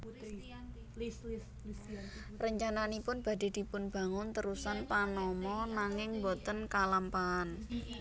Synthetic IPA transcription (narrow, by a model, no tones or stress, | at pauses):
rəɲt͡ʃananipʊnb̥a̤de̤d̪̥i̤pʊnb̥a̤ŋʊnt̪əɾusanpanɔmɔnaŋɪŋbot̪ənkalampaːn